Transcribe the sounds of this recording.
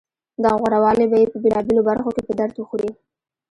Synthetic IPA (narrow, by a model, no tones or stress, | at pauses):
d̪ɑɣwaɾawɑlebajepəbelɑbelobaɾxokepəd̪aɾt̪wəxuɾi